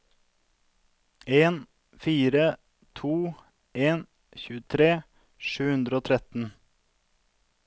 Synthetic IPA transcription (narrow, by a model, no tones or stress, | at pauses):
eːn | fiːɾə | t̪ʰuː | eːn | çʉːət̪ʰɾeː | ʃʉːhʉnd̪ɾəoːt̪ʰɾɛt̪n̩